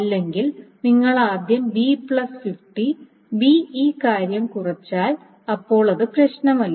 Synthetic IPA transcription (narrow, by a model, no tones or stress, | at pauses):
ɐlːe̞ŋɡilniŋːɐɭaːd̪ʱjɐmbipɭɐsfifʈi | biiːkaːɾjɐmkurɐt͡ɕːaːl | ɐpːo̞ːɭɐðɨprɐɕnɐmɐlːɐ